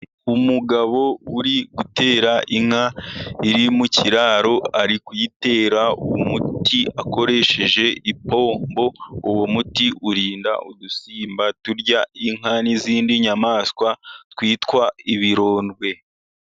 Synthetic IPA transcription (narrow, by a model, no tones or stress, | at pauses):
umuɡaβo̞uɾiɡute̞ːɾaʔiŋ̥aiɾimuciɾaːɾo̞aɾikujite̞ːɾaṵwomutiako̞ɾe̞ʃe̞ʒe̞ipo̞ːmmbo̞ːwomutiʔuɾiːnda̰ʔudusiːmbatuɾɟaiŋ̥ɦaniziːndiɲamaːskwatwiːtwaiβiɾo̞ːnɡwe̞